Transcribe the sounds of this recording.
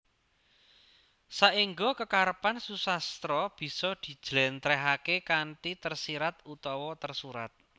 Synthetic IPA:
saiŋɡokəkaɾəpansusast̪ɾɔb̥i̤sɔd̪̥i̤d̥ʒ̥lɛnt̪ɾɛɦakekaɳʈit̪ərsiɾat̪̚ut̪ɔwɔt̪ərsuɾat̪̚

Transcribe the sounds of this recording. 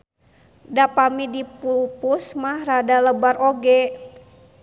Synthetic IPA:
dapamidipupusmahradaləbaroɡɛ

